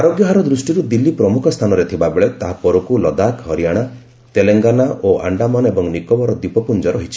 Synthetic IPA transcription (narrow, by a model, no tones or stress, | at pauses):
aɾoɡjɔɦaɾɔd̪ɾusʈiɾud̪ilːipɾɔmukʰɔst̪ʰanɔɾet̪ʰibabeɭet̪aɦapɔɾukulɔd̪akɦɔɾijaɽ̃a | t̪eleŋɡanaʔoa̰ɳɖamɔnebɔŋnikɔbɔɾɔd̪ipɔpund͡ʒɔɾɔɦit͡ʃʰi̥